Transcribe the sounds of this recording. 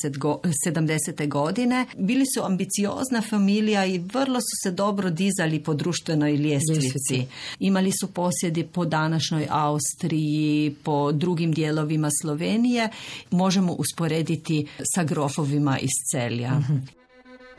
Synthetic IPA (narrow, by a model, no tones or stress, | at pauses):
et̪ɡosed̪amd̪eset̪eɡo̞d̪ine̞biːlisuambit̪sio̰ːznafamilijaiʋərlˠo̞su̥se̞d̪o̞bɾod̪izalipo̞d̪ɾuːʃt̪ʋenojljeːsʋisiimalisupo̞sjed̪ipo̞d̪anaʃnojʔaust̪ɾijipo̞d̪ɾuɡimd̪jeːlo̞ʋimaslˠo̞ʋeːnije̞mo̞ʒemoʔuspoɾeːd̪it̪isaɡɾo̞foʋimaʔist̪selja̰